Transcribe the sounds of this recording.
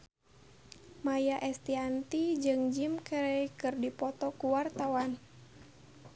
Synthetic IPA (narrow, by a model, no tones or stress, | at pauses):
majaʔɛst̪iant̪id͡ʒɨŋd͡ʒimkəɾɛkɨrdipɔt̪ɔkuwart̪awan